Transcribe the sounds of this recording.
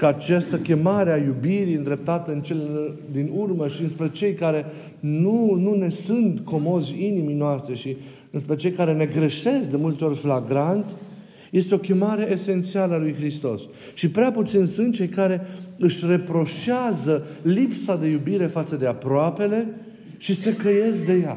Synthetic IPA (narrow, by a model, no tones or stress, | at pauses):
kəat͡ʃast̪əkʲe̞maɾeajubiɾiɨnd̪ɾe̞p̚t̪at̪əɨnt͡ʃe̞led̪inurməʃiɨnspɾe̞t͡ʃe̞jkaɾe̞ | nunune̞sunt̪ko̞mo̞zʲiniminoast̪ɾeʃi | ɨnspɾe̞t͡ʃe̞jkaɾene̞ɡɾeʃe̞sk̚d̪e̞mult̪eo̞rʲflaɡɾant̪ʲ | je̞st̪eo̞kʲe̞maɾe̞ʔese̞nt̪sialəalujxɾist̪o̞s | ʃipɾeaput̪sinsunt̪̚t͡ʃe̞jkaɾe̞ɨʃʲre̞pɾo̞ʃazəlipsad̪e̞jubiɾe̞fat̪səd̪e̞apɾoape̞le̞ | ʃisekeje̞sk̚d̪e̞ja